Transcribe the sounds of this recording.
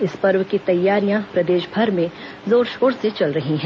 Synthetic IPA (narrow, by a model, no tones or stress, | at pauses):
ɪspɐɾwkit̪ɐjːaːɾijãpɾɐd̪eːʃbʱɐɾmẽ | zoːɾʃoːɾset͡ʃɐlɾɐɦiɦɛ̃ː